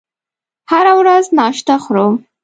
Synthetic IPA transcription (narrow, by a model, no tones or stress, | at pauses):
haɾawɾaznɑʃt̪axɾo